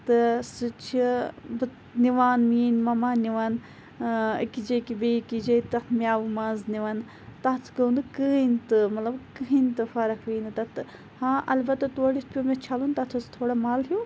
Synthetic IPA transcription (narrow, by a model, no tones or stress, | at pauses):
t̪ɐsɨt͡ʃʰibɨ | niʋaːnmiːnmɐmaːniʋaːn | ḭkid͡ʒekibekid͡ʒet̪ɐt̪mʲjaːʋumãːzniʋaːn | t̪aːt͡sʰɡɐũnd̪ɨkəɦint̪ɨmɐt̪lɐbkɨɦint̪ɨfaɾɐkʰʋiːnd̪ɨt̪ɐt̪ɨ | hãːʔɐlbɐt̪ːɐt̪oɽispʲjoːmẽt͡ʃʰaːlunt̪at̪ʰust̪ʰoːɽamaːlɦijoː